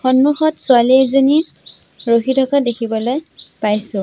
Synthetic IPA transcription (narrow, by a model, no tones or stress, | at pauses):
xɔnmuxɔtsʊalizoni | ɹoxidʱɔkadekʰibɔlojpajsʊ̃